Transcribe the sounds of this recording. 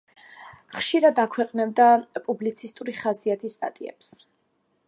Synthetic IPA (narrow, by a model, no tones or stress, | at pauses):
χʃiɾad̪akʰwɛqʼnɛb̚d̪apʼublit̪sʰist̪ʼuɾiχasiat̪ʰist̪ʼa̰t̪ʼiɛ̰ps